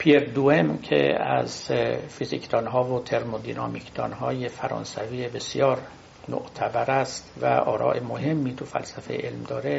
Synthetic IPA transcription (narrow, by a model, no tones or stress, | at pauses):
pʰieɾd̪uemkʰḛæ̰zfizikt̪ʰɒːnɦɒːvot̪ʰe̞ɾmod̪inɒmikt̪ʰɒːnɦɒːjefæɾɒ̰ːnsæviːebe̞sijɒːɾ | no̰ʔt̪ʰæbæɾæst̪væ̰ʔɒːɾɒ̰ːʔemohe̞mːiːt̪ʰufæ̰lsæfejeʔelmd̪ɒːɾe